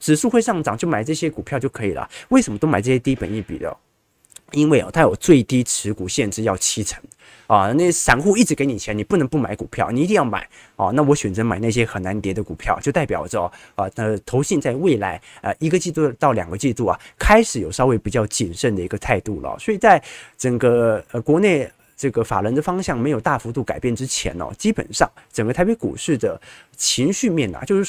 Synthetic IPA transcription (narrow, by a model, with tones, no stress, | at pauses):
ʈ͡ʂɻ̩˨˩ʂu˥˧xwe˥˧ʂɑ˥˩ŋʈ͡ʂɑ˨˩ŋt͡ɕjo˥˩ʊma˨˩ɪʈ͡ʂɤ˥˩ɕjɛ˥ku˨˩pʰjt͡ɕjo˥˩ʊkʰɤ˧˥ḭ˨˩lə̰˩we˥˩ɪʂə˧˥mə˧t̪o˥ma˨˩ɪɤ˥˩ɕjɛ˥t̪i˥pə̰˨˩ni˥˩pi˨˩d̪ə̰˧ | i˥nwe˥˩ɪɔ̰˩t̪ʰa˥jo˨˩ʊt͡swe˥˩ɪt̪i˥ʈ͡ʂʰɻ̩˧˥ku˨˩ɕjɛ˥˧nʈ͡ʂɻ̩˥˧jɑ˥˩ʊt͡ɕʰi˥ʈ͡ʂʰə˧˥ŋ | ɐ˧ne˥˩˧ʂa˨˩˦nxu˥˧i˥˩ʈ͡ʂɻ̩˧˥ke˧˥ɪni˨˩t͡ɕʰni˨˩pu˥˩nɤ˧˥ŋpu˥˩ma˧˥ɪku˨˩pʰjɑ˥˩ʊni˨˩i˧˥i˥˧jɑ˥˩ma̰˨˩˦ɪɐ̰˧na˥˩wɔ˧˥ɕɥɛ˨˩nt͡sɤ˧˥ma˨˩ɪna˥˩ɕ̬jɛ˥xə˨˩nna˧˥nt̪jɛ˧˥d̪ə˧ku˨˩pʰjɑ˥˩ʊt͡ɕjo˥˧ʊt̪a˥˩ɪpjɑ˨˩ʊʈ͡ʂə˥˩ə˧ə˥˩t̪ʰo˧˥ʊɕi˥˧nt͡sa˥˧ɪwe˥˩ɪla˧˥ɪə˧ʔi˧˥ɡə˧t͡ɕi˥˧t̪u˥˧˩t̪ɑ˥˩ʊljɑ̰˨˩ŋɡə˦t͡ɕi˥˧t̪u˥˩ɐ̰˩kʰa˥ɪʂɻ̩˨˧˥jo˨˩ʊʂɑ˥ʊwe˧˥ɪpi˨˩t͡ɕjɑ˥˧ʊt͡ɕi˥˨˩nʂə˥˩nd̪ə˩i˧˥ɡə˧t̪ʰa˥˧ɪt̪u˥˩lə̰˩swɔ˧˥i˨˩t͡sa˥˩ɪʈ͡ʂə˨˩ŋɡə˧kwɔ˧˥ne˥˩˧ɪ | ʈ͡ʂɤ˥˩ɡə˩fa̰˨˩lwə˧˥nd̪ə˧fɑ˥ŋɕjɑ˥˩ŋm˧˥ɪjo˨˩ʊt̪a˥˩fu˧˥t̪u˥˩ka˨˩ɪpjɛ˥˩nʈ͡ʂɻ̩˥t͡ɕʰjɛ̰˧˥nə̰˧t͡ɕi˥pə̰˨˩nʂɑ̰˥˩ŋʈ͡ʂə˨˩ŋɡə˧t̪ʰa˧˥ɪpe˧˥ɪkṵ˨˩ʂɻ̩˥˩d̪ə˩t͡ɕʰi˧˥ŋɕy˥˧mjɛ˥˩nlə̰˩t͡ɕjo˥˧ʊʂɻ̩˥˩